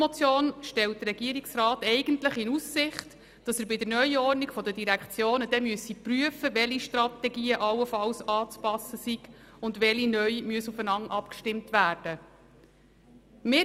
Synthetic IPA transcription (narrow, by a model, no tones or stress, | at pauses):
mɔt͡sjoːnʃtɛlt̚dəɾɛɡiəɾiksrɑːtɛɪɡəntləχɪnusːɪχt | d̥ɑsəɾbɪdənœʏɔrnikfɔdədiɾækχt͡sjoːnəd̥ɛmyəsipryəfəvɛliʃtrɑtɛɡiːəʔɑlːəfɑlsɑːt͡spɑsːəsiɡ̥ʊndʋɛlinœʏmyəsufənɑŋʔɑpkʃtɪmtʋæːɾd̥ə | mɪ